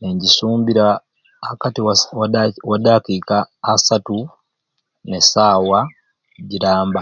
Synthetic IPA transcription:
neɲɟisuːmbiɾa | akatiwwawadaːkikaːsatu | nesaːwa | ɟiɾaːmba

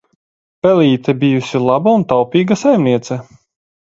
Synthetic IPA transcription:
pʲɛlʲiːt̪ɛbijusʲilˠabaunt̪awpʲiːɡasajmniɛt̪sɛ

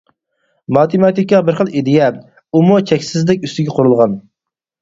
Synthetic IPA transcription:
mɑt̪ʰemɑt̪ʰikʲːɑbɪɾχəlˠed̪ijɛ | umut͡ʃʰɛkʲsɪzlɪkʲyst̪ɪɡʲɛqʰoɾulˠʁɑn

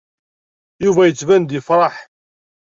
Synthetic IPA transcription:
juvæjət͡sːvænd̪ifɾˤɑħ

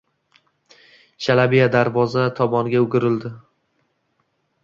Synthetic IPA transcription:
ʃʰalabijad̪aɾvɒzat̪ʰɒbɒnɡʲaʊɡʲɪɾɪld̪ɪ

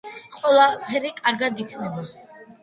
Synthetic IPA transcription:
qʼwɛlˠapʰɛɾikʼaɾɡad̪ikʰnaba

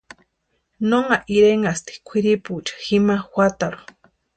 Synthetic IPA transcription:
noŋaʔiɾeŋast̪i̥kʷʰiɾiput͡ʃḁximaxwʷat̪aɾu̥

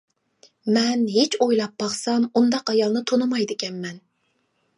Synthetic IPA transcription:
mɛnɦet͡ʃojlˠɑp̚bɑχsɑmund̪ɑqɑjɑlˠnɨt̪ʰonɨmɑjd̪ɪkʲɛnmɛn

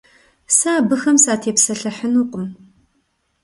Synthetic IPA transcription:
saːbɨxɐmsaːtʰeːpsɐɬɐħənuːqʷʼəm

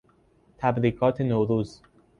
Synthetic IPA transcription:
t̪ʰæbɾiːɡɒːt̪ʰenoːɾuːz

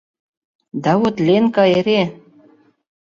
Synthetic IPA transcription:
d̪ɑwut̪lʲenkɑeɾe

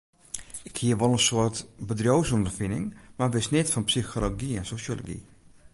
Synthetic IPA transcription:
ɪkhiəɹʋolˠənsʊətbədrowsɔndərfɪnɪ̰ŋmaʋɪsnɪtfɑnpsixoloɡiɛnsoʃolo̰ɡḭ

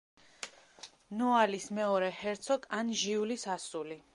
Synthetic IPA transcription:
nɔalismɛɔɾɛhɛɾt̪sʰɔkʼanʒiulisasuli

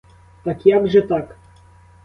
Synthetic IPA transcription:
t̪akjaɡʐɛt̪ak

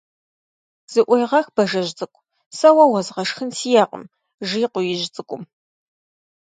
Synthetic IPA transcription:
z̥ɨʔʷʊjʁɐxb̥ɐʒɐʒt͡sʼɨkʷʼ | sɐwɐwɐzʁɐʂxɨnsiːjaːqʼə̰m | ʒiːqʷʊjɪʒt͡sʼɨkʷʼʊm

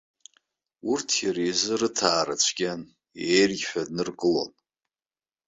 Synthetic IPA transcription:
urtʰjaɾejzɨɾɨtʰaːɾat͡ʃʷʰɡʲan | ejrɡʲħʷᶣadnɨrkʼɨlo̞̰n

